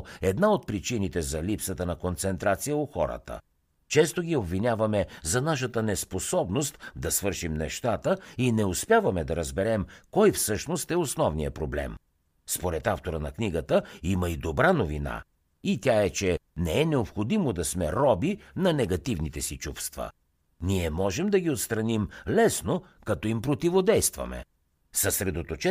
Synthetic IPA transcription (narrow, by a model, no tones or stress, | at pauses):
ɛd̪naot̪̚pɾit͡ʃinit̪ɛzɐlipsət̪ənɐkont̪sɛnt̪ɾat̪sijəoxɔ̰ɾə̰t̪ə̰ | t͡ʃɛst̪oɡʲiobvinʲavɐmɛzɐnaʃ̬ət̪ənɛsposɔbnost̪d̪ɐsvɤɾʃimnɛʃt̪at̪əinɛospʲjavɐmɛd̪ɐɾɐzbɛɾɛmkɔjfsɤʃnost̪ɛosnɔvnijəpɾoblɛ̰m | spoɾɛt̪aft̪oɾənɐkniɡət̪əiməid̪obɾanovina̰ | it̪ʲaɛt͡ʃɛnɛɛnɛopxod̪imod̪ɐsmɛɾɔbinɐnɛɡɐt̪ivnit̪ɛsit͡ʃufst̪və̰ | niɛmɔʒɛmd̪ɐɡʲiot̪st̪ɾɐnimlɛsno | kɐt̪ɔimpɾot̪ivod̪ɛjst̪vɐ̰mɛ̰ | sɐsɾɛd̪ot̪ot͡ʃɛ